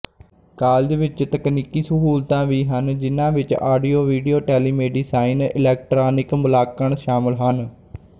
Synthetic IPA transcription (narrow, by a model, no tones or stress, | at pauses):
kaːld̪eːʋɪt͡ʃt̪əkniːkiːsəɦuːlt̪ãːʋiːɦənd͡ʒɪnãːʋɪt͡ʃaːɖiːoːʋiːɖiːoːʈɛːliːmeːɖiːsaːɪnɪ̰lɛːk̚ʈɾaːnɪkmʊlaːkəɳʃaːmɪlɦən